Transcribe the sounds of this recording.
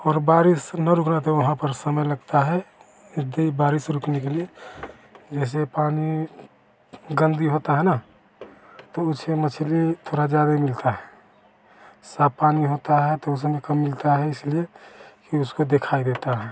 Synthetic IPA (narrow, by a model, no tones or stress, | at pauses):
ɔːɾbaːɾɪsnɐɾʊkʰnat̪ɔʋɐɦãpəɾsəməjləɡt̪aɦɛ | d̪eibaːɾɪsɾʊkʰnekelie | d͡ʒɛːs̬epaːni | ɡə̃nd̪iɦoːt̪aɦɛna | t̪oʊsemət͡ʃʰlit̪ʰoːɾad͡ʒjaːd̪aimɪlt̪aɦɛ | sapaːniɦot̪aɦɛt̪oʊs̬mẽkəmːɪlt̪aɦɛɪsliekiʊskod̪ekʰaid̪et̪aɦɛ